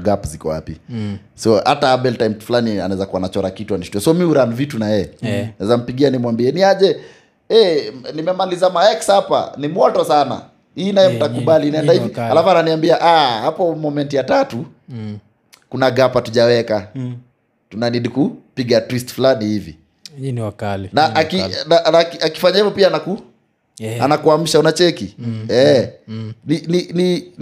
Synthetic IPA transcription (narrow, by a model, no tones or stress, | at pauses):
ɡapzikɔwa̰pi | sɔha̰taaɓɛltajmflania̰naɛzakuanat͡ʃɔɾakituaniʃu̥tuɔsɔmiuɾanivitunajɛɛnaɛzam̩piɠianimwambiɛniaʄɛ | ɛnimɛmalizamaɛksapa̰nimwɔtɔsana̰ | hiːnajɛm̩takuɓaliniɛndahivialafananiambiaʔahapɔmɔmɛntijatatu | kunaɡapatuʄawɛka | tunaniɗikupiɠatwistfulanihivḭ | lnaakinanakiaki̥faɲaivɔpianaku | a̰nakuam̩ʃaunat͡ʃɛkiɛ | ninini